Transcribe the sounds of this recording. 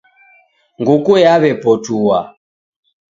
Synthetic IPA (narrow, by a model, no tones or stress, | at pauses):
ŋɡukuɛaβɛpɔtuwa̰